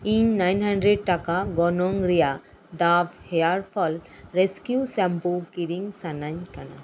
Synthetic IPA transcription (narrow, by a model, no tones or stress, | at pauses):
ĩnːajnhãɳɖɾeɖ̚ʈakaɡɔnɔ̃ŋɾija | d̪aːfheaɾfʰɔlɾeskjusɛ̃mpukiɾiŋsanaɲkana̰